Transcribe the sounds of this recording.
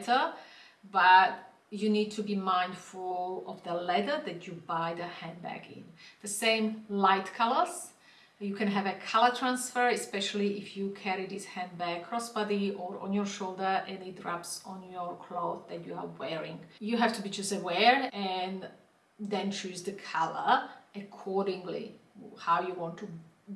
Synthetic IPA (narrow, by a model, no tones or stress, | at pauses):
tə˞ | bʌt | jɨnid̚tʰubimãɪ̃ndfulɔvðəlɛðə˞ðɨtʰubaɪðəhæ̃nbæ̰kɪ̰̃nðəsẽɪ̃mlaɪtkʰalə˞z | jɨkʰɨ̃nɦævɨkʰalˠə˞tʰɹãnsfə˞ɨspɛʃl̩ˠiɪfjɨkʰɛɹiðɪshæ̃nbæɡ̚kʰɹ̥ɔsbadiɔɹɔ̰̃njəɹʃoʊlˠdə˞ɛ̃nɪt̚dɹapsɔ̃njəɹkʰloʊððætʰjuə̰vwɛɹɪ̃ŋjuɦævtubid͡ʒʌstəwɛɹɛ̃n | dɛ̃nt͡ʃʰʉzðəkʰalə̰˞əkʰɔɹdɪ̃ŋlḭhawjuwɔ̃ntʰu